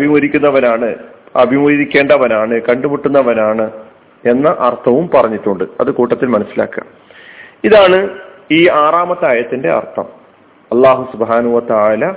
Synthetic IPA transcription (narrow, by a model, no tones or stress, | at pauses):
ɐbʱimuɾikʲːunːɐʋɐnaːɳɨɐ̰bʱimuɾikʲːe̞ːɳɖɐʋɐnaːɳɨkɐɳɖumuʈːunːɐʋɐnaːɳɨ | e̞nːɐʔɐrt̪ʰːɐʋumpɐrɐɲːiʈːuɳɖɨɐðɨkuːʈːɐt̪ːilmɐnɐsːila̰ːkːɨɐ̰m | iðaːɳɨiːaːraːmɐt̪ːaːjɐt̪ːinde̞ɐ̰rt̪ʰːɐ̰m | ɐlːaːɦusubɦaːnɦuʋɐt̪aːlɐ